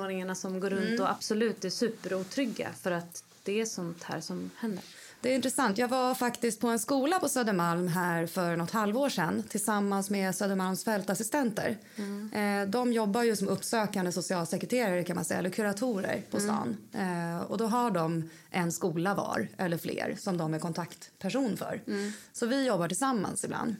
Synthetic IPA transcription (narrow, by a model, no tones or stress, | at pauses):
oːɳɪŋaɳasɔmɡoːɾɵnt̪ɔʔa̰b̥sɔlʉ̟ːt̪̚ːɛʂʉ̟ːpəɾuːt̪ʰɾʏɡːa̰fœɾat̪ | d̪̥ɛæʂɔnt̪hæ̰ːʂɔmhɛnd̪ə̰ɾ | d̪̥ɛːɾɪnt̪ɾɛsant̪jɑːɡvafakt̪ɪst̪̚pʰɔɛnskuːlapʰɔsøːd̪əmalmɦæːɾfœɾnɔt̪halvoːʂɛnːt̪ʰɪlsamːansmeːsøːd̪əmalmsfɛlt̪asɪst̪ɛnt̪ə̰ɾ | d̪ɔmjɔbːajɵsɔmɵpːsøːkand̪əsʊsɪɑːlsɛkɾɛt̪ʰeːɾaɾəkʰanmansɛjalɵkʰɵɾat̪ʰuːɾə̰ɾpʰɔst̪ɑ̰ːn | ɔ̰d̪ɔɦaɖɔm | ʔɛnskuːlavɑ̰ːɾʔɛ̰lːəɾflḛːɾsɔmd̪ɔmæɾkʰɔnt̪ʰakt̪pʰæʂuːnfœ̰ɾsɔvɪjɔbːaʈɪlsamːa̰nsɪbla̰nd̪